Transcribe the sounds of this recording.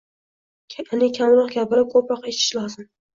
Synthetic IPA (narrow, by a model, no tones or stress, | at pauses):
anɪkʲʰamɾɒqɡʲapʰɪlɪp̚kʰopɾɒqet͡ʃʰɪ̥ʃlɒzɪm